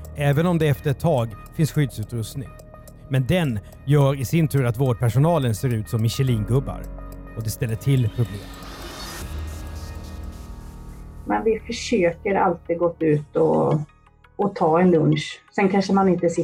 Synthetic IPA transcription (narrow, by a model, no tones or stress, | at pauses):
ɛːvənɔmd̪ɛɛft̪əɾɛt̪ʰːɑːɡfɪnsɧʏd̪sʉ̟ːt̪ɾɵst̪nɪ̰ŋ | mɛnd̪ɛn | jœːɾɪsɪnt̪ʰʉ̟ːɾat̪voːɖ̚pʰæʂʊnɑːlənseːɾʉ̟ːt̪sɔmːɪɕɛliːŋɡɵbːa̰ɾɔd̪ɛst̪ɛlːəʈʰɪlːpʰɾʊblḛːm | mɛnvɪfœʂøːkəɾa̰lt̪iːd̪ɡɔt̪ːʉ̟ːt̪ɔ̰ | ɔt̪ʰɑːɛnlɵnʂsɛnkʰanʂəmanɪnt̪əsɪ